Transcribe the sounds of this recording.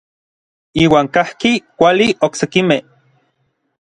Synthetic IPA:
iːwaːŋkahkikʷalioksekimeh

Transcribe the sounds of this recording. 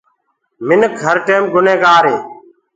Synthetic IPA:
mɪnəkəɾʈeːmɡʊnẽːɡaːɾeː

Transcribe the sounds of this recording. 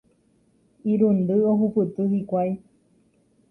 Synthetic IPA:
iɾund̪ɨoɦupɨt̪ɨhikʷaj

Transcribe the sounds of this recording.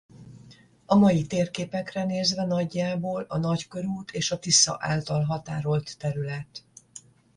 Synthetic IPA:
ɒmɒjit̪eːrkeːpɛkrɛneːzvɛnɒɟːaːboːlɒnɒckø̞ɾuːt̪ʰeːʃɒt̪isɒ̰ʔa̰ːlt̪ɒlɦɒt̪aːɾo̞lt̪ːɛɾylɛt̪

